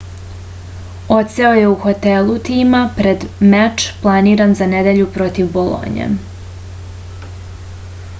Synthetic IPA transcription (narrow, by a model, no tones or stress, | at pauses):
o̞t̪se̞o̞je̞uxo̞t̪elˠut̪iːmapɾed̪mɛt͡ʃplˠaniːɾanzaned̪eʎupɾo̞t̪iʋbolˠo̰ɲḛ